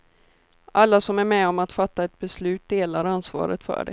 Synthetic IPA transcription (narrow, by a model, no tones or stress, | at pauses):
ʔalːasɔmæɾmɛɔmat̪fat̪ːaɛt̪̚bɛslʉ̟ːt̪̚d̪eːlaɾansvɑ̰ːɾə̰t̪fœ̰ːɖɛ̰